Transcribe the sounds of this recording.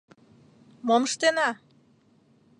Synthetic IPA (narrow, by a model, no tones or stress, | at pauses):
moməʃt̪enɑ